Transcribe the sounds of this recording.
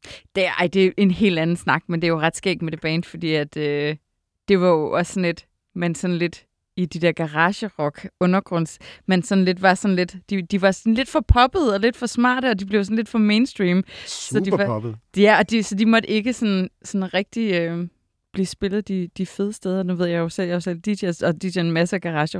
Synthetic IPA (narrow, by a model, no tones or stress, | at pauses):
d̥eɑ̰ɪ̰d̥e̝ʔe̝nhe̝̰ːld̥ænn̩snɑ̈ɡ̥mend̥e̝æjo̝ʁɑ̈d̥sɡ̥ḛːɡ̥med̥e̝b̥ɛːnd̥fɒ̽d̥ḭːæd̥ø | d̥e̝ʋɑ̈jo̝ʔɒ̽sːɒn̩le̝d̥ | mensɒ̽n̩le̝d̥ | id̥id̥eɐɡ̥ɑʁɑːɕəʁɒ̽ɡ̥ɔ̽nɐɡ̥ʁɔ̽n̰smensɒ̽n̩le̝d̥ʋɑ̈sɒ̽nle̝d̥d̥id̥iʋɑ̈sɒnle̝d̥fɒ̽pʰɒ̽b̥əð̞̩ˠɒ̽le̝d̥fɒ̽smɑ̰̈ːd̥əɒ̽d̥ib̥le̝ʊsɒn̩led̥fɒ̽meːnsd̥ʁiːmsɒdib̩ˠjæɒ̽d̥isɒ̽d̥imɒ̽ɾ̥əe̝ɡ̥əsɒ̽nsɒ̽nʁɛɡ̥̚d̥iøm | b̥liːsb̥e̝lð̩ˠd̥id̥ife̝ð̞ˠəsd̥eð̞ˠɐnuʋe̝ð̞̰ˠjɑosel̰jɑosel̰d̥iɕesɒ̽d̥i̥enmæsəæɡ̥ɑʁɑ̈ːɕə